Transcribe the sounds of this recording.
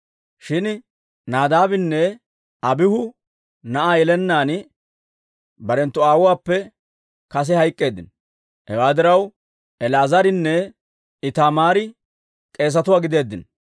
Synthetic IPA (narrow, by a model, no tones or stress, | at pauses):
ʃɪn | naːd̪aːbɪnːɛ | ɐbɪhʊ | nɐʔaːjɛlɛnːaːn | bɐɾɛnt̪ːʊaːwʊwaːpːɛ | kɐs̬ɛhɐjkʼːe̞ːd̪ːɪ̰n | hɛ̰waːd̪ɪɾɐw | ɛlaːzɐɾɪnːɛ | ɪt̪amaːɾɪ | kʼe̞ːs̬ɐt̪ʊwaːɡɪd̪e̞ːd̪ːɪn